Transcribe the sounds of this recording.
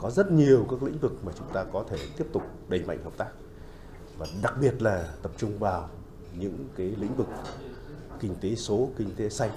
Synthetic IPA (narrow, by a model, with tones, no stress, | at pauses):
kɔ˨˦zə˦˥t̚ɲi˨˩əwkaː˦˥k̚lḭ˧˥ŋ̟vɨ˨˩k̚maː˨˩t͡ɕʊ˨˦ŋ͡mt̪aː˧kɔ˨˦t̪ʰe˧˩t̪i˦˥əp̚t̪ʊ˨˩k͡p̚ɗə˨˩ŋ̟ma̰˧˨jŋ̟hə˨˩k͡p̚t̪aː˦˥k̚ | vaː˨˩ɗa˨˩k̚ɓi˨˩ət̚laː˨˩t̪ə˨˩p̚t͡ɕʊ˧ŋ͡mvaː˨˩w | ɲɨ̰˧˥ŋkaː˨˦jlḭ˧˥ŋ̟vɨ˨˩k̚ | kï˧ŋ̟t̪e˨˦so˨˦kï˧ŋ̟t̪e˨˦sa˧jŋ̟